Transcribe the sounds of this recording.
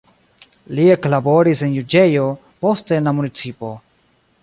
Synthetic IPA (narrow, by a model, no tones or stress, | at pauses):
lieklaboɾisenjud͡ʒejo | po̞stenlamunit͡sipo̞